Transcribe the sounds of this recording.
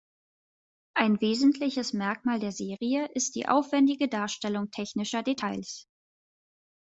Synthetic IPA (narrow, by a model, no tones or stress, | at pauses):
ʔaɪnveːzn̩tʰlɪçəsmɛɐkmaːldeːɐzeːʁiəʔɪstd̥ḭːʔa̰ʊfv̥ɛndɪɡədaːɐʃtɛlʊŋtʰɛçnɪʃɐdetʰaɪls